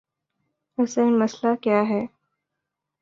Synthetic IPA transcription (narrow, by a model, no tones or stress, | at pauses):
ʊsenmɐslakjaːɦɛː